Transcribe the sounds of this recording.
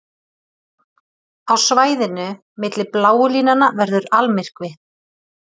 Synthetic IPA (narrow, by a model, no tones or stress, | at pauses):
awsvaːjðɪnʏ | mɪt̪lɪplaːwʏliːnanavɛɾðʏɾalmɪr̥kvɪ